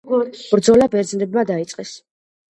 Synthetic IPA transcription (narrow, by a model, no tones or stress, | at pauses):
b̥ɾd̪zɔlabɛɾd̪znɛbmad̪ait̪sʼqʼɛs